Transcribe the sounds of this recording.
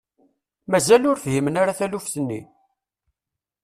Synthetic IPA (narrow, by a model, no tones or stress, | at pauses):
mæzælʊɾfhimənaɾaθælufθənːi